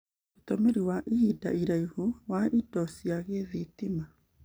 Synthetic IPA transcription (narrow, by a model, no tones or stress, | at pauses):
utɔmeɾiwaʔihida̰iɾaihuwaidɔsiaɣeðitima